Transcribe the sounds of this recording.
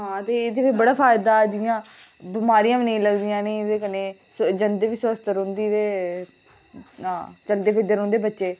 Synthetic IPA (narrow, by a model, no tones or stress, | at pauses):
ɦãːt̪eːd̪eːpʰeːbəɽaːpʰaːɪd̪aːd̪ɪjãːbɪmaːɾijãːʋiːnəĩːləɡd̪ijãːnẽd̪eːkəneːsd͡ʒənd̪eːʋiːsʊəst̪əɾɦʊ̃nd̪iːʋeː | ɦãːt͡ʃəld̪eːpʰɪd̪əɾɦõːnd̪eːbətːʃeː